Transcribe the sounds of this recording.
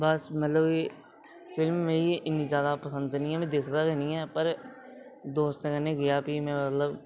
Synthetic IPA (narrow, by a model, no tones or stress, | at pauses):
bəsmət̪ləbi | pʰɪlmːẽːiʔɪnːĩzjaːd̪aːpəsə̃nd̪niɛ̃ːmɛ̃ːd̪ɪkʰd̪aːɾɛːnĩːɛːpəɾ | d̪oːəst̪eːkənẽːɡɪjaːpiːmɛ̃ːmət̪ləb